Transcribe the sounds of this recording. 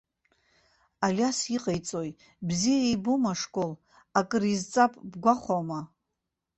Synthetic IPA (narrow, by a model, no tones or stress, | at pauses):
alʲasiqʼejt͡sʼoj | bzijaijbumaʂkʷʼol | akʼɨrizt͡sʼapʼbɡʷaχʷama